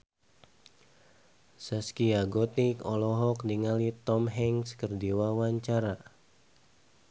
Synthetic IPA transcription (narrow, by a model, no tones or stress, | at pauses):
saskiaɡɔt̪ikɔlɔɦɔk̚niŋalit̪ɔmɦɛŋskərdiwawaɲt͡ʃaɾa